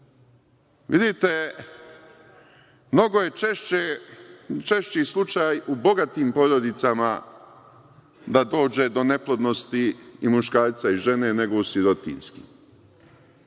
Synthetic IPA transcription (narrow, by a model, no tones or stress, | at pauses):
ʋid̪it̪e | mno̞ɡo̞je̞ee | t͡ʃeʃt͡ɕislˠut͡ʃaːjubo̞ɡat̪iːmpo̞d̪ɾo̞d̪it̪sama | d̪ad̪o̞ːd͡ʒe̞d̪o̞ne̞plˠo̞d̪no̞st̪iːmuʃkaːɾt̪saiʒe̞ne̞ne̞ɡo̞usjeɾo̞t̪ḭnskḭ